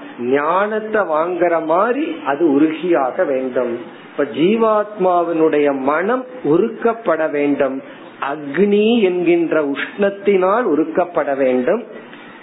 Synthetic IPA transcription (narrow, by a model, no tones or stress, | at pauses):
ɲaːnɐt̪ːɐʋaːŋɡɐɾɐmaːɾiɐðɯʊɾʊɣɪjaːɣɐʋeːɳɖɯm | pːɐd͡ʒiːʋaːt̪̚maːʋɪnɯɽɐjɐmɐnɐm | ʊɾɯkːɐpːɐɽɐʋeːɳɖɯm | ʔɐɡɳiɛnɡɪndrɐʊʂɳɐt̪ːɪnaːlʊɾɯkːɐpːɐɽɐʋeːɳɖɯm